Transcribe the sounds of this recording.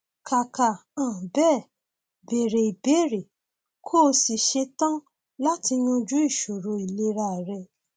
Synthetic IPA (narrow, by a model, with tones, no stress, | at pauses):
kʰa˨ka˨ã˨bɛ˦˨ | be˨ɾe˨i˨be˨˦ɾe˨ | kʰoː˦˨si˨ʃe˧tã˦ | la˦ti˧ɲ̃ũ˧d͡ʒu˦i˦˨ʃo˨ɾo˨˦i˨le˦ɾa˧˨ɾɛ˧